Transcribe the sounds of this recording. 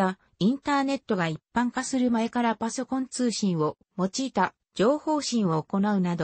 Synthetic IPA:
a | ĩnt̪aːne̞t̪ːo̞ɡaipːãŋkasɨɾɯ̟mae̞kaɾapaso̞kõ̞nt͡sɨːɕĩɰ̃o̞ | mo̞t͡ɕiːt̪a | d͡ʑo̞ːho̞ːɕĩɰ̃o̞ːko̞naɯ̟nad̪o

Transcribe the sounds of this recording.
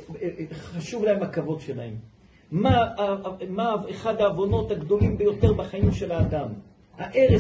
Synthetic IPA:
χaʃuvlahemakavo̞d̪ʃelahemː | a | maeχad̪aːvo̞no̞t̪haɡd̪o̞limbejo̞t̪eʁbaχaimʃe̞laːd̪am | haʔe̞ʁe

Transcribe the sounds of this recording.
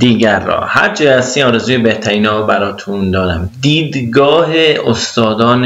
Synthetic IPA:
d̪̥iːɟæɾːɒ̰ːhæ̰ɾd͡ʒʰiæst̪iːnɒːɾezuːjebeht̪ʰæɾiːnɒːɾbæɾɒːt̪ʰund̪ɒːɾæmd̪iːd̪ɡɒːɦeost̪ɒːd̪ɒːn

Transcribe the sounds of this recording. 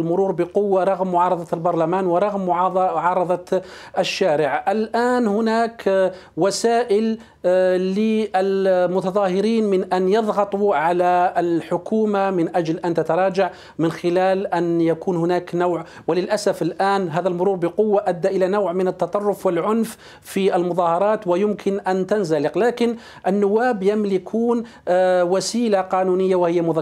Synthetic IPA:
lmʊɾuːɾbɪqʊwːaɾˤɑɣmːʊʕɑːɾˤɑðˤɑlbɑɾˤlamaːnwɪɾˤɑɣmːʊʕɑːðˤɑʕɑːɾˤɑðˤɑʔɪʃːaːɾɪʕʔɪlʔaːnhʊnaːk | wasaːʔɪlː | ɪʔalmʊt̪ɑðˤɑːhɪɾiːnmɪnʔanjɨðˤɣɑt̪ˤuʕalalħʊkuːmamɪnʔad͡ʒlʔant̪at̪ɑɾˤɑːd͡ʒaʕ | mɪnxɪlaːlʔanjakuːnhʊnaːknawʕ | wɪlɪlʔasafɪlʔaːnɦaːðalmʊɾuːɾˤbɪqʊwːaʔad̪ːaʔɪlanawʕmɪnət̪ːɑt̪ˤɑrˤːʊfwɪlʕʊnf | fiʔɪlmʊðˤɑːhɑɾˤɑːt̪wɪjʊmkʰɪnʔant̪anzalɪqlaːkɪn | ʔɪnːʊwːaːbjamlɪkʰuːn | wasiːlaqɑːnuːnɪjːawɪhɪjːamʊð

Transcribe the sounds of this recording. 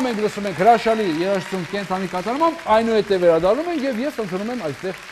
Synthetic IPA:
mɛŋkʰləsumɛŋkʰhəɾɑʃɑlijɛɾɑʃt͡sumkɛnt̪ʰɑnikɑt̪ɑɾmɑmbɑjnuhɛt̪ɛvɛɾɑd̪ɑrnumɛŋkʰjɛvjɛsənt̪ʰunumɛmɑjst̪ɛʁ

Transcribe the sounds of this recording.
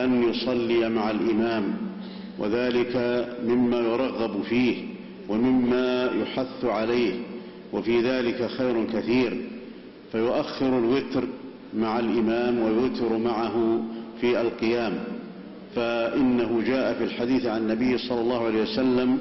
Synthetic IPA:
ʔanjʊsˤɑlːijamaʕalʔɪmaːm | wʔa̰ðaːlɪkamɪmːaːjʊɾˤɑɣːɑbfiːh | wamɪmːaːjʊħaθːʕalajh | wafiːðaːlɪkaxajɾʊkaθiːɾ | fajʊʔaxːɪɾalwɪt̪ɾ | maʕalʔɪmaːmwajʊt̪ɪɾmaʕaɦʊfiːʔalqɨjaːm | faʔɪnːaɦʊd͡ʒaːʔafilħad̪iːθʕannːabɪjːsˤɑlːɑlːɑːhʊʕalejhjwasalːam

